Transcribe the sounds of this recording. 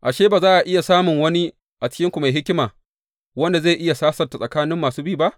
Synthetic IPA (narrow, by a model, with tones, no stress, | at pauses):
ʔa˨ʃeː˦baː˨zaː˦ʔa˨ʔɪ˦ja˨saː˦mʊ˨ŋwɐ˦ni˦ | ʔa˨t͡ʃɪ̥˦kʲɪ˦ŋkʷu˨ma˨jɦɪ˦kʲɪ˦maː˨ | wɐ˦nda˨zaː˦˨ʔɪ˦ja˨saː˦sɐ˨rta˨sʼɐ˨kaː˦nɪ˦mːaː˨suː˦bi˦˨ba˦ʔ